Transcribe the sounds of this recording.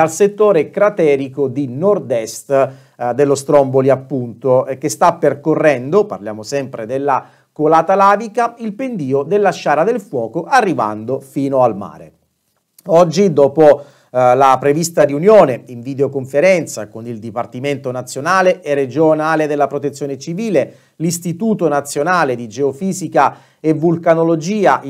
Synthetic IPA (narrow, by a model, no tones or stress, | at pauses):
d̪alset̪ːoːɾekɾat̪ɛːɾikod̪inord̪ɛst̪ | d̪elːost̪ɾɔmboliapːunt̪okest̪apːerkorːɛnd̪opa̰rljaːmosɛmpɾed̪elːa | kolaːt̪alaːvikailpend̪iːod̪elːaʃːaːɾad̪elfwɔːkoʔarːiva̰nd̪ofiːnoalma̰ːɾḛ | ɔd͡ʒːid̪ɔːpo | lapɾevist̪ariunjoːneiɱvid̪eokoɱfeɾɛnt̪sakonild̪ipart̪iment̪onat̪sːjonaːleʔɛrːed͡ʒonaːled̪elːapɾot̪et̪sːjoːnet͡ʃiviːle | list̪it̪uːt̪onat̪sːjonaːled̪id͡ʒeofiːzika | evːulkanolod͡ʒiːaʔ